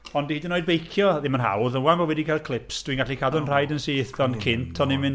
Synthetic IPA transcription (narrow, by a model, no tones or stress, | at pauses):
ɔndidɪnoːjd̚bejkʰjɔðɪmənɦa̰wðənwamɔwɛdikʰarkʰlˠɪpsd̥wiːnŋɡaɬikʰadɔnr̥ajdənsiɪθɔnkʰɪntʰɔnɪmɪn